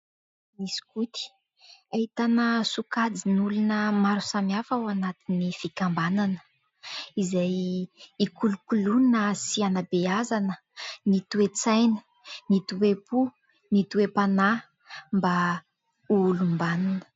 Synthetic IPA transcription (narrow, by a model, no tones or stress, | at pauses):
misi̥kut̪i̥ | ait̪anəsukad͡zinulunəmaɾusamiafawanat̪inifikambananə̥ | izajikulukulunəsianabeazanə | nit̪uet͡sajnə̥ | nit̪uepu | nit̪uepana | mba | ulumbananə̥